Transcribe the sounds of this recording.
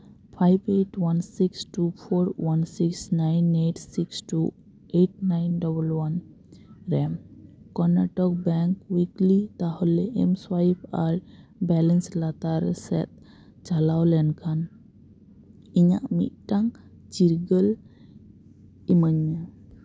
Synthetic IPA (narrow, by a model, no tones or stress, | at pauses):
pʰajbeʈwansiksʈupʰɔɾwansiksnajneʈsiksʈu | eʈ̚najnɖɔbəlwan | ɾɛmkɔnaʈɔk̚bɛŋkwiklit̪ahɔlɛʔɛ̰mswajp̚ʰaɾbɛlənslat̪aɾsɛ̰t̪̚ | t͡ʃalawlɛnkʰan | iɲa̰ʔmḭt̪̚ʈaŋ | t͡ʃiɾɡəl | iməɲa